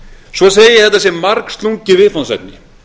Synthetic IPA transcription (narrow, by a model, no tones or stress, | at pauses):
svɔseːjɪjɛɾhɛt̪ːasjɛmmaɾkst̪luɲcɪvɪðfɔnsɛ̰t̪̚nɪ